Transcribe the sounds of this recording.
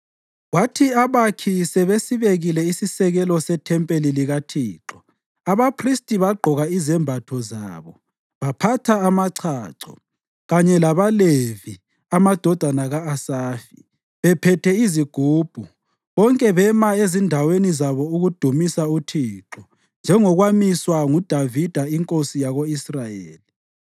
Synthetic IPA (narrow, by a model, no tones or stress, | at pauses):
watʰiaβakʰisɛβesiβeɣilɛisisɛɣɛlɔsɛtʰɛmpʼeliliɣatʰiːǁɔ | aβapʰristʼiβaɡ͡ǃʱɔɣaizɛmbʱatʰɔza̰ːβɔ | βapʰatʰaːmaǀʰaːǀɔ̰ | ɣaɲɛlaβalevi | amad̥ʱɔd̥ʱanaɣaːsaːfi | βɛpʰɛtʰɛiziɡ̥ʱuːb̥ʱu | βɔŋkʼɛβɛmaezindʱawenizaβɔuɣud̥ʱumisautʰiːǁɔ | nd͡ʒʱɛŋɔɣwamiswaŋud̥ʱavid̥ʱaiŋkʼosijaɣoisrajḛːli